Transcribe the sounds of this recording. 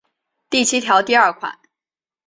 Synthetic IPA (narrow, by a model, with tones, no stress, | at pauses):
t̪i˥˩t͡ɕʰi˥t̪ʰjɑ˧˥ʊt̪i˥˧ɐ˞˥˩kʰwa̰˨˩˦n